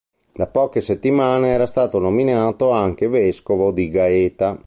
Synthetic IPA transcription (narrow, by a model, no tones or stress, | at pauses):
d̪apɔːk̟eset̪ːimaːneɛːɾast̪aːt̪onominaːt̪oaŋk̟evɛskovod̪iɡaɛːt̪a